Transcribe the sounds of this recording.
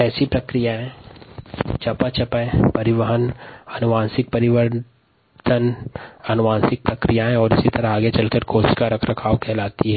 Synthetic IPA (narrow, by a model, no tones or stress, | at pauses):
ɛːsipɾɐkɾijaɦɛ̃ | t͡ʃɐpat͡ʃɐpɛpɐɾɪʋəɦənɐnʊʋãːnsɪk̚pɐɾɪʋəɾ | t̪ənɐnʊʋãːnsɪk̚pɾɐkɾijaɦɛ̃ɔːɾɪsit̪ɐɾaɦaːɡet͡ʃɐlkəɾkoːsʃkaɾɐkʰɾɐkʰaːʋkʰɛːlaːt̪iɦɛː